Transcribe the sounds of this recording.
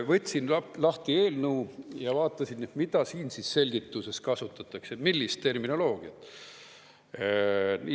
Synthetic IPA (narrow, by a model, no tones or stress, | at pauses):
vɤt̪ʲsinɑlɑht̪ie̞ːlnuujɑvɑːt̪ˑːɑsinet̪mid̪̥ɑsiːnsisse̞lʲɡ̥it̪ːˑuse̞skɑsut̪ːˑɑt̪ːˑɑksemilːist̪ːe̞rminolo̞ːɡ̥iɑt̪ː | ni